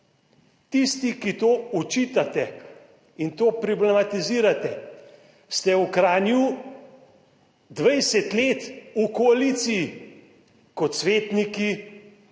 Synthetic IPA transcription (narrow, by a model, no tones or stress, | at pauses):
t̪ist̪ikit̪oːɔt͡ʃiːt̪at̪ɛ | int̪oːpɾɔblɛmat̪iziːɾat̪ɛ | st̪ɛukɾaːnju | d̪ʋɛjsɛt̪leːt̪ukɔalit̪siji | kɔt̪sʋeːt̪niki